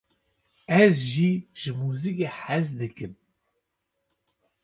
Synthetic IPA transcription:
æzʒiʒmuzikiħazd̪əkəm

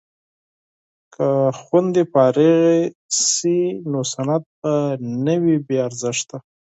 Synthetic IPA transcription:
kʰaxwand̪epɑɾeɣesinosanat̪̚panəwibeaɾzɪʂt̪a

